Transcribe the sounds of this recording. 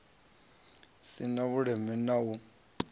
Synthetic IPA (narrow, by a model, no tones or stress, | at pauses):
sinaβuɺɛmɛnau